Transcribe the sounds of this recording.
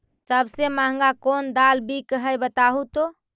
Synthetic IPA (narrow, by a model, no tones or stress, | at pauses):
səbsemãɦŋ̆ɡakond̪albʱikəɦəjbət̪aɦut̪o